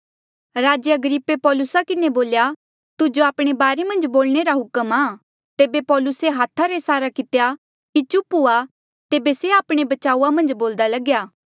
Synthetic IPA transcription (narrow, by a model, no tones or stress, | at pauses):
ɾaːd͡ʒəɐɡɾɪpːepɔːlʊsakɪneboːlja | t̪ʊd͡ʒoaːpɽ̃ebaːɾemɐ̃nd͡ʒboːlɽ̃eɾaɦʊkəmaː | t̪eːbepɔːlʊseɦaːt̪ʰaɾesaːɾakɪt̪eja | kit͡ʃʊpua | t̪eːbeseaːpɽ̃ebɐt͡ʃaːuamɐ̃nd͡ʒboːld̪alɐɡjaː